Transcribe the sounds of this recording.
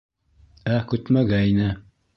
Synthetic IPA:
ækʉt̪mæɡæjnæ

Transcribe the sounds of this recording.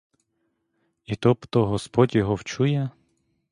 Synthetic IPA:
it̪ɔpt̪ɔɦɔspɔtʲjɔɦɔwt͡ʃujɛ

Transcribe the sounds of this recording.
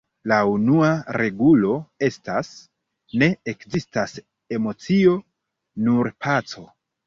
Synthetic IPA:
launuaɾʔe̞ɡulo̞e̞stas | ne̞ekzistas | e̞mo̞t͡sio̞ | nuɾpʰat͡so̞

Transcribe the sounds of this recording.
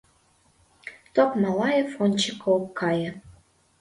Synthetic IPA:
t̪okmɑlˠɑjefonʲt͡ɕəkokʰːɑjə̆

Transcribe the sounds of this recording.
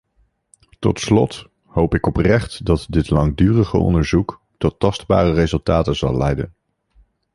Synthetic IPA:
tɔ̰tslɔt | howpɪkɔprɛχtdɑtdɪtlɑŋdyːrəχə̰ɔ̰ndəɹzuk | tɔtːɑsdba̰ːrərezɵlˠtaːtənzɑ̰lɛjdə̰n

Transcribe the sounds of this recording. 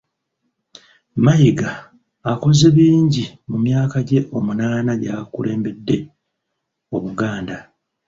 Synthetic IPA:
majiɡaː | ko̞zeβiːɲɟimumjaːkaɟe̞ʔo̞munaːnaɟakṵle̞ːmbe̞dːe̞ | o̞βuɡaːnda

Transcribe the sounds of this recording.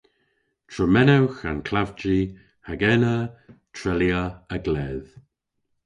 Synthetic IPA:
tʰɹəmɛnawxankʰlavd͡ʒi | haɡɛnətʰɹɛljəəɡlɛːð

